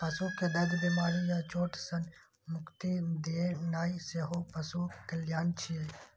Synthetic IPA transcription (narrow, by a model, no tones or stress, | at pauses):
pəsukːed̪ɐd͡ʒbimaːɾijat͡ʃoːʈʰsən | mʊkt̪id̪eːnaːiseɦopəsukːeljaːnt͡ʃʰie